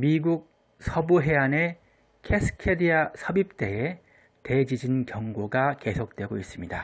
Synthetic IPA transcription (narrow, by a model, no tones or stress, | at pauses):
miɡuk̚ | sʰʌbuɦe̞ane̞ | kʰesʰɯ̥kʰediasʰʌbip̚t͈e̞e | te̞d͡ʑid͡ʑinkjʌŋɡoɡake̞sʰok̚t͈we̞ɡois͈ɯmɲida